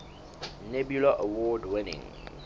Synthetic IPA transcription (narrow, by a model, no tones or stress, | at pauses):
nɛbjulaʔawɔdwɪnɪ̰̃ŋ